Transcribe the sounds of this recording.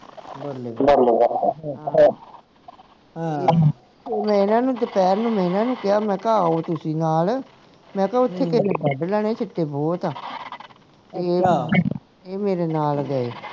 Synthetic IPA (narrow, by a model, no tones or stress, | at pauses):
bəlːeːbəlːebəlɦa | e | eːmɛ̃ːɪnãːnũːt̪epɛːɾnũːm̃ːɪnãːnũːkɪaːmɛ̃ːkaːoːt̪ʊsĩːnaːl | mɛ̃ːkaʊt̪ʰːeːkɪneːbəɖlɛːɽ̃eːt͡ʃʰɪʈːeːbɔːt̪aː | t̪eː | eːmeːɾeːnaːlɡəeː